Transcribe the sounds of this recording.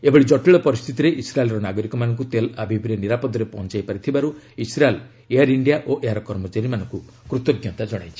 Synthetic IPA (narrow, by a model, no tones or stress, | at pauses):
ebɔɭid͡ʒɔʈeɭɔpɔɾist̪ʰit̪iɾeʔisɾaelɾɔnaɡɔɾikɔmanɔŋk̬ut̪elabʱibɾiɔniɾapɔd̪ɔɾepɔɦɔ̃nt͡ʃajpaɾit̪ʰibaɾu | isɾael | ejaɾiɳɖijaʔoʔejaɾɔkɔɾmot͡ʃaɾimanɔŋku | kɾut̪ɔɡjɔnt̪ad͡ʒɔɽ̃a̰jt͡ʃʰi̥